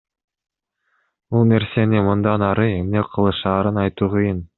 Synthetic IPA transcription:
bulˠne̞ɾse̞nimɯnd̪ɑnɑɾɯe̞mne̞qʰɯlˠɯʃɑːɾɯnɑjt̪uːʁɯjɯn

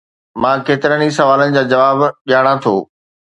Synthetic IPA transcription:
mãːkeːt̪ɪɾənisɐʋaːlənɪ̆d͡ʑaːd͡ʑɐʋaːbɠijaːɽ̃ãt̪ʰoː

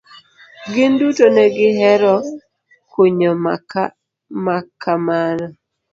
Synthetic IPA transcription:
ɡɪndutonɛɡɪɦɛɾɔ | koɲɔmaka | makʰːamanɔ

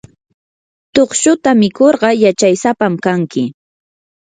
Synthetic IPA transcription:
t̪oχʃʊt̪amɪkoɾɢɑjat͡ʃajsapamkaŋkɪ

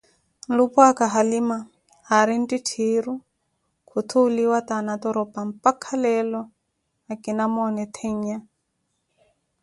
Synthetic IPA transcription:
lupwakaɦalima | haɾin̩tʼitʰiɾu | kʰut̪ʰuliwat̪anat̪ɔɾɔpam̩pakʰalɛlɔ | akinamɔnɛt̪ʰɛɲɲa

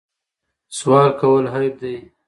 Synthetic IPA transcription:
swɑːɾkawəlɦajb̚d̪aj

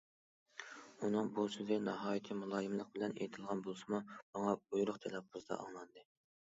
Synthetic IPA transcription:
unɨŋbusyzɪnɑɦɑːjit̪ʰɨmulˠɑːjɪmlˠəq̚bɪlɛnḛjt̪ʰɨlˠʁɑnbolˠsɨmumɑŋɑujɾʊχt̪ʰelˠɑpʰːuzd̪ɑ̰ʔɑ̰ŋlˠɑnd̪ɨ

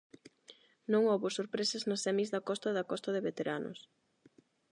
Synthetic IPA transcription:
nõŋoβosoɾpɾesɐznɐsːɛmizðɐkɔst̪ɐðɐkɔst̪ɐðɪβet̪eɾanʔʊ̰s

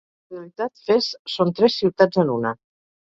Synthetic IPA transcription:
reəlit̪at̪fessont̪ɾɛsːiwt̪ad͡zənunə

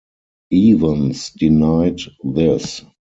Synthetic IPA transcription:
ʔiːvə̃nsdinaɪdðɪs

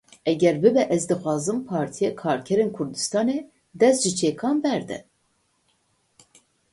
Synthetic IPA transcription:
ʔɛɡʲɛɾbɨbɛʔɛzd̪ɨxʷɑːzɨmpʰɑːɾt̪ʰijɛkʰɑːɾkʰɛɾeːnkʰʊɾd̪ɨ̥st̪ɑːne | d̪ɛst̪ʒɨt͡ʃʰeːkʰɑːnbɛɾd̪ɛ̰

